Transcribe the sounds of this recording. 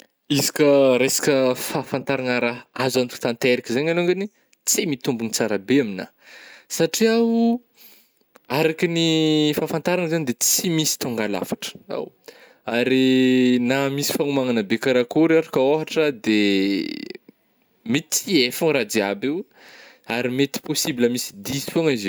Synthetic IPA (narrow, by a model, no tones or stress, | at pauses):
izikʲəɾesḁkʲəfafant̪aɾaŋaɾaazanfi̥t̪ant̪eɾikʲizaɲaloŋɡani | t͡simit̪umbunit͡saɾabeamina̰ | saʈ͡ʂiawu | aɾakinifafant̪aɾaŋzaɲid̪et͡simisi̥t̪oŋɡala̰fḁʈ͡ʂə̥a̰w | aɾinamisi̥faŋumaŋanabekaɾakuɾaɾakaoɦaʈ͡ʂəd̪e | mit͡siefaŋɾad̪iabew | aɾimet̪i̥posibiləmisi̥d̪isuaŋize